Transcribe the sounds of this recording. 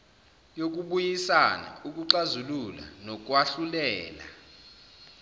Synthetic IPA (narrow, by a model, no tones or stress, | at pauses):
jok̬ʼuɓujisana̰uk̬ʼuǁazulula̰nɔk̬ʼwaɬulɛːla̰